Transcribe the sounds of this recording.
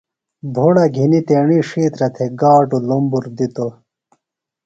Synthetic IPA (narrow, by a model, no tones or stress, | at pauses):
b̪ʱoɽɐɡʱinit̪eːɳiʂiːt̪ɾɐt̪ʰeɡaːʈulumbuɾd̪it̪o